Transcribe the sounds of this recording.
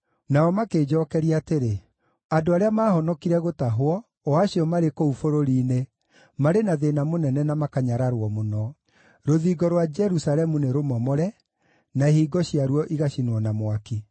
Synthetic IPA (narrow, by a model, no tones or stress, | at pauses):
naɔmakeːd͡ʒɔkɛɾiaːteɾe | adoaɾeamaːhɔnɔkiɾɛɣotaɦwɔ | aɕiɔmaɾekoufoɾoɾiːne | maɾenaðenamonɛnɛnamakaɲaɾaɾwɔmonɔ | ɾoðiːɡɔɾwad͡ʒɛɾusalɛmuneɾomɔmɔɾɛ | naehiːɡɔɕiaɾwɔʔiɣaɕinwɔnamwaki